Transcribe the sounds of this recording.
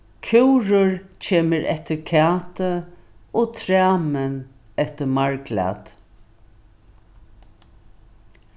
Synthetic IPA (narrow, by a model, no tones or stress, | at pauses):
kʰɪwɾʊɹt͡ɕʰeːməɹʔɛ̰ht̪əɾkʰaːt̪əoɔːt̪ʰɾaːmən | ɛht̪əmaɹɡla̰t̪